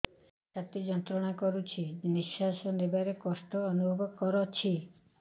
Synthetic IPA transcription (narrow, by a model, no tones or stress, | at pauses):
sat̪id͡ʒɔnt̪ɾɔɽ̃akɔɾut͡ʃʰid͡ʒnisasɔnebaɾekɔsʈɔːnubʱɔbʱɔb̚kɔɾɔt͡ʃʰi